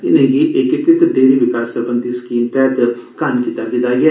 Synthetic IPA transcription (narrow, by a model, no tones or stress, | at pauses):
ɪnẽːɡiːʔɪkɪkɪt̪ɖeːliːʋɪkaːsəɾpənt̪iːsə̥kiːmt̪ɛːt̪kankiːt̪aːd̪ɪt̪aːɡɪɛː